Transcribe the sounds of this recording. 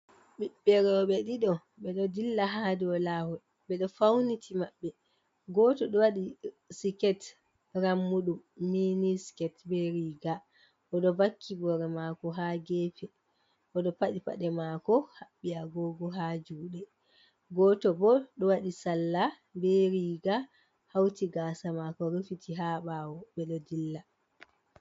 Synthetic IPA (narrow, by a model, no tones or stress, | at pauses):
ɓiɓːɛɾɔɓɛɗiɗɔ | ɓɛɗɔdilːaɦadiɔlahɔ | ɓɛɗɔfawnitʰimaɓːɛ | ɡɔtɔɗɔwaɗi | sikɛt | ɾamːuɗumːiniskɛtbeɾiɡa | ʔɔɗɔvakʰːibɔɾɛmakɔɦaɡeːpɛ | ʔɔɗɔpaɗipa̰ɗɛmakɔhaɓːiaɡɔɡɔɦad͡ʒuːɗɛ | ɡɔtɔbɔɗɔwaɗisalːa | bɛɾiːɡa | hawtiɡaːsamakɔɾufitiɦaɓawɔɓɛlodilːa